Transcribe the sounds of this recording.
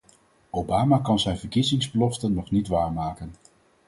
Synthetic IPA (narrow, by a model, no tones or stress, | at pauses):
owbaːmaːkɑnzɛjnvəɹkizɪŋzbəlɔftənːɔχnitʋaːɹmaːkən